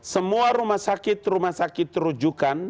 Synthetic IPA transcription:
səmuaɾumahsakɪt̪rumahsakɪt̪ːɾud͡ʒukan

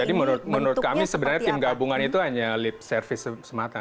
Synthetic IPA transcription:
adimənuʊt̪̚mənuɾʊt̪̚kamisəbənarɲat̪ɪmɡabuŋanit̪uɦaɲalɪp̚sərfɪsəsəmat̪a

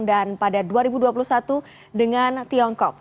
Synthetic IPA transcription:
ŋdanpadaduaɾibuduapuluhsat̪u | dəŋant̪iɔŋkɔk̚

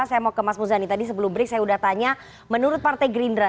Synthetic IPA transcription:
asajamakəmasmuzanit̪adis̬əbəlʊmbəɾɪk̚sajaudaht̪aɲa | mənuɾʊt̪̚part̪ajɡɾindɾa

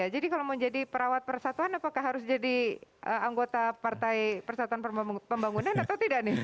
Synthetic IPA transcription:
ad͡ʒadikalawməɲd͡ʒadipəɾawat̪̚pərsat̪uanapakaɦaɾʊsd͡ʒadiʔəaŋɡot̪apart̪ajpərsat̪uanpəpəmbaŋunanat̪awt̪idaʔnɪh

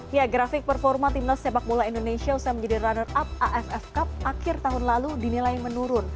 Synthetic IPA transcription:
jaɡɾafɪk̚pərfɔrmat̪imdast̪epak̚bolaindonesiausajaməɲd͡ʒadiranərap̚aʔɛfɛfkap̚akɪrt̪aɦʊnlaludinilajmənuɾʊn

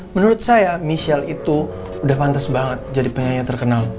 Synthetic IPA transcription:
mənuɾʊt̪̚sajamisialit̪u | udahpant̪asbaŋət̪̚d͡ʒadipəɲajat̪ərkənal

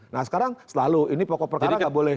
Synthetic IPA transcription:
nahsə̥kaɾaŋsəlaluinipɔkɔpərkaɾaŋɡaʔbolɛ

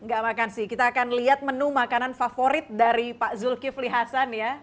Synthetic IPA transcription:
ŋɡaʔmakansɪhkit̪aːkanliɦat̪̚mənumakananfafoɾɪt̪̚daɾipaʔzʊlkifliɦasanja

